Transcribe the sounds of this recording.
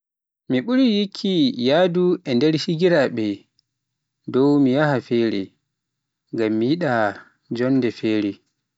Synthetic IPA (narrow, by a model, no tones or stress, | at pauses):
miɓuɾijikʰːijaːduʔɛndɛɾʃiɡiɾaɓɛ | dɔwmijahafɛːɾɛ̰ | ŋɡamːijiɗa | d͡ʒɔnːdɛfɛːɾɛ